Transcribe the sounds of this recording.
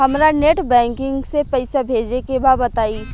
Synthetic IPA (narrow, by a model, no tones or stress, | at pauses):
ɦɐmɾaneːʈbɛ̃ːŋkɪ̃ŋɡsepɐɪsabʱeːd͡ʒekebabɐt̪aːi